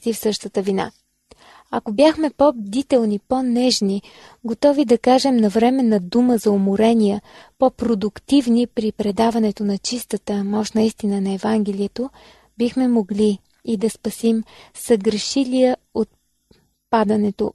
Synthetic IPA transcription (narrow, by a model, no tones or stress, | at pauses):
t̪ifsɤʃt̪ət̪əvina̰ | ɐkobjaxmɛpɔbd̪it̪ɛlˠnipɔnɛʒni | ɡot̪ɔvid̪ɐkaʒɛmnɐvɾɛmɛnɐd̪uməzɐomoɾɛnijəpɔpɾod̪ʊkt̪ivnipɾipɾɛd̪avɐnɛt̪onɐt͡ʃist̪ət̪əmɔʃt̪nɐist̪inənɐɛvaŋɡ̟ɛlʲiət̪o | bixmɛmoɡliː | d̪ɐspɐsimsəɡɾɛʃilijəot̪̚ | pad̪ɐnɛt̪o